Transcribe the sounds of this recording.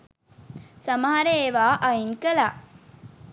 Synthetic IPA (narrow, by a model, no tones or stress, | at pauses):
samɐɦaɾeːʋaːʔɐiŋkəla